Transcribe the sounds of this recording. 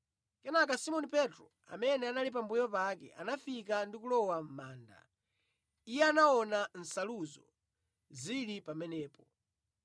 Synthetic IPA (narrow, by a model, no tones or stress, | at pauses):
kɛnakasimɔnipɛtɾɔ | a̰mɛnɛanalip̬ambujɔp̬akɛ̰ʔa̰nafikandikulɔwam̩maːnda̰ | ijɛanaɔnan̩saluzɔ | zilipamɛnɛːpɔ